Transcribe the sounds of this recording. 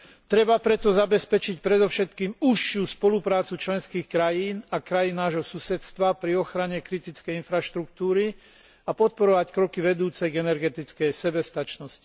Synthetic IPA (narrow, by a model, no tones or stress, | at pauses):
t̪ɾɛbapɾɛt̪ɔzabɛspɛt͡ʃicpɾɛd̪ɔʊʃɛt̪kiːmuʃːuspɔlupɾaːt͡sut͡ʃlɛnskiːxkɾajiːnakɾajinːaːʒɦɔsusɛt̪st̪ʋapɾiɔxɾaɲɛkɾit̪it͡skɛjinfɾaʃt̪ɾukt̪uːɾi | apɔt̪̚pɔɾɔʋackɾɔkiʋɛd̪uːt͡sɛɡɛnɛɾɡɛt̪it͡skɛjsɛbɛst̪at͡ʃnɔsci̥